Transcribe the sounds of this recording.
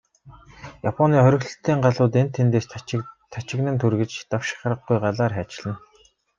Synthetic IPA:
japʰɔniːχœɾʲɪ̆xɮɵ̆ɬt̪ːiːɴɢaɮʊːt̪en̥t̪ʰːent̪eːst̪ʰat͡ɕɪ̆ɣnɘ̆nt̪ʰuɾɣɘ̆t͡ɕt̪awʃɪ̥̆χrə̆ɢɡujɢaɮaːrχæːt͡ɕɪ̆ɮɘ̆n

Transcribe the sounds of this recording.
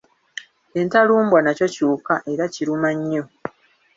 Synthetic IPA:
e̞ntaluːmbwanaco̞cuːkaʔe̞ɾaciɾumaɲːo̞

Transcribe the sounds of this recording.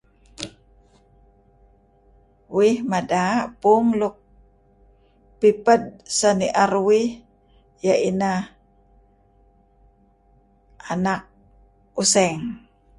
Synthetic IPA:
wihmadapuŋluk̚ | pipəd̚saniʔarwih | jaʔinah | anak̚ | usɛŋ

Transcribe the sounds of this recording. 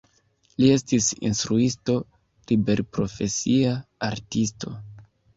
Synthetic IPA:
lie̞stisḭnstɾuisto̞ | libe̞ɾpɾo̞fe̞siaaɾtisto̞

